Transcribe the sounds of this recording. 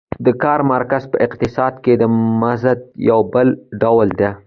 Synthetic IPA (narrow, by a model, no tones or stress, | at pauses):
d̪əkɑɾmaɾkazpəʔɪqt̪ɪsɑd̪ked̪əmazad̪jawbəlɖawld̪e